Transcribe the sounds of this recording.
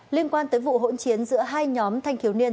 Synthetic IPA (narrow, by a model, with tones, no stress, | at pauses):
li˧ənkwaː˧nt̪əː˨˦jvṵ˧˨ɦo̰˧˥nt͡ɕi˨˦ənzɨ̰˧˥əɦaː˧jɲɔ˨˦mt̪ʰa˧jŋt̪ʰi˨˦əwni˧ən